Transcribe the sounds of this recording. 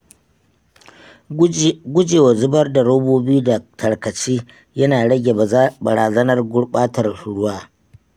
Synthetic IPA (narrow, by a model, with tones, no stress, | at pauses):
ɡʷʊ˦d͡ʒeː˨wa˨zʊ˦bɐ˦rda˨ɽo˦boː˦biː˦da˨tʰɐ˨ɽkɐ˨t͡ʃiː˦ | jɐ˦naː˨ɽɐ˦ɡʲe˨bɐ˨ɽaː˨zɐ˦nɐ˦rɡʷʊ˦ɽɓaː˦tɐ˨rɽʊ˦waː˦